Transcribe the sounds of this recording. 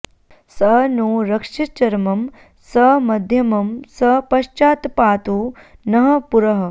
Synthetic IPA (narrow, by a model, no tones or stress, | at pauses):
sɐnuːɾɐkʂit͡ʃɐɾmɐm | sɐmɐd̪ʱjɐmɐmsɐpɐʃt͡ʃaːt̪paːt̪uːnɐɦɐ̆puɾɐɦɐ